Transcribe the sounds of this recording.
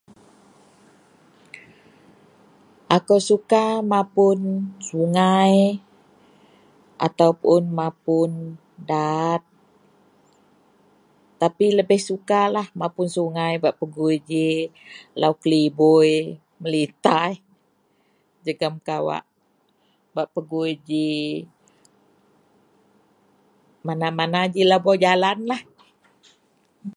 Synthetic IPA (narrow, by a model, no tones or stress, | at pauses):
ʔakawsukamãpʊnsuŋaj | ʔa̰t̪awpʊnmapʊn | dat̪̚ | apiləbɪhsukalahmapʊnsuŋajbaʔpəɡud͡ʒi | laukəlibuj | məlit̪ai | d͡ʒəɡamkawa̰ʔ | baʔpəɡuid͡ʒi | manamanad͡ʒilabɔd͡ʒalanlah